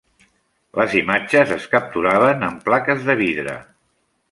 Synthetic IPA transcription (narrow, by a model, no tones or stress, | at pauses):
ləzimad͡ʒəzəskəp̚t̪uɾaβ̞ənəmplakəzðəβiðɾə̰